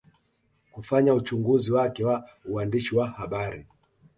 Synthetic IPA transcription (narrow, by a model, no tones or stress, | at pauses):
kufaɲaut͡ʃuŋɡuziwakɛwauandiʃiwahaɓaɾi